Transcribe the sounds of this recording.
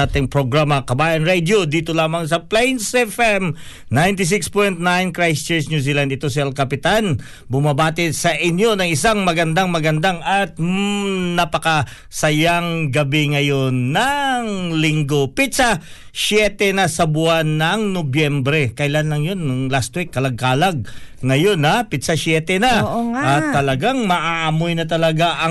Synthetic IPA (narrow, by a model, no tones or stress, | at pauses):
at̪ɪŋpɾoɡɹamɐkɐbaːjɐnɹɛd̪jod̪iːt̪olaːmɐŋs̬ɐplɛjnsɛfɛm | najnt̪ɪs̬ɪkspojnt̪najnkɹajstɛɹsnjuːs̬iːland̪ɪt̪o̞s̬ɪɐlkɐpɪt̪an | bʊmɐbaːt̪ɪsɐʔɪnjo̞nɐŋɪsaŋmɐɡɐnd̪aŋmɐɡɐnd̪aŋɐt̪̚nɐpɐkɐ | sɐjaŋɡɐbiŋɐjo̞nːɐŋlɪŋɡo̞pɪt̪sa | sjɛt̪ɛnɐsɐbʊanːɐŋnobjɛmbɾɛkɐʔɪlanlɐŋjonŋlast̪wikːɐlɐɡ̚kaːlɐɡ̚ŋɐjo̞nhapɪt̪sasjɛːt̪ɛnɐʔɐt̪ːɐlɐɡaŋmɐʔaʔɐmojnɐt̪̬ɐlɐɡaʔɐ